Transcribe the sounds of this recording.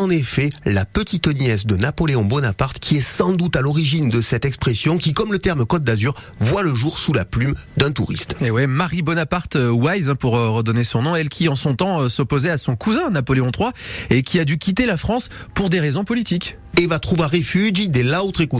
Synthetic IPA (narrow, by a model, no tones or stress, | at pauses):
ɑ̃nefɛlapət̪it̪njɛsd̪ənapɔleɔ̃bɔnapaʁt̪kʲʰiɛsɑ̃d̪ut̪alɔʁiʒind̪əsɛt̪ɛkspχesjɔ̃kʲikɔmlət̪ɛʁməkɔt̪̚d̪azyʁ | vwaləʒuʁsulaplymd̪ɛ̃t̪uʁḭst̪ewɛmaʁibɔnapaʁt̪øwajzɛ̃puʁøʁəd̪ɔnesɔ̃nɔ̃ɛlkʲʰiɑ̃sɔ̃t̪ɑ̃øsɔpozɛasɔ̃kuzɛ̃napɔleɔ̃t̪χwaekʲʰiad̪ykʲit̪elafχɑ̃spuʁd̪eʁezɔ̃pɔlit̪ik | evat̪χuvaʁefyʒid̪ɛlaot̪χeku